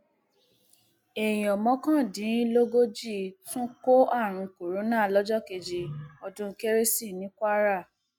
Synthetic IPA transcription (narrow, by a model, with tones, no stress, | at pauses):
e˨jĩ˨ɔ˨mɔ̃˨˦kã˦˨dĩ˨˦lo˦ɡo˦d͡ʒi˦˨tũ˦ko˦a˦˨ɾ̃ũ˧ko˨ɾo˨˦nãː˦˨lɔ˦d͡ʒɔ˦ke˧d͡ʒi˧ɔ˨dũ˧˦ke˦ɾe˦si˦˨nĩ˨˦kʷa˦ɾa˦˨